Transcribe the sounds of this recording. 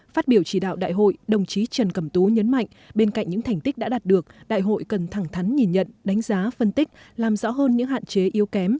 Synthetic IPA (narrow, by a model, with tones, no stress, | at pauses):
faː˦˥t̚ɓi˧˩əwt͡ɕi˧˩ɗa̰ː˧˨wɗa̰ː˧˨jɦo̰˧˨jɗə˨˩wŋ͡mt͡ɕi˨˦t͡ɕə˨˩nkə˧˩mt̪u˨˦ɲə˨˦nma̰˧˨jŋɓe˧nka̰˧˨jŋ̟ɲɨ̰˧˥ŋt̪ʰa˨˩jŋ̟t̪i˦˥k̚ɗa̰ː˧˥ɗa˨˩t̚ɗɨ˨˩ək̚ɗa̰ː˧˨jɦo̰˧˨jkə˨˩nt̪ʰaː˧˩ŋt̪ʰa˨˦jŋɲi˨˩nɲə̰˧˨nɗa˨˦ŋ̟zaː˨˦fə˧nt̪ï˦˥k̟̚laː˨˩mzɔ̰˧˥ɦəː˧nɲɨ̰˧˥ŋha̰ː˧˨nt͡ɕe˨˦ʔi˨˦əwkɛ˨˦m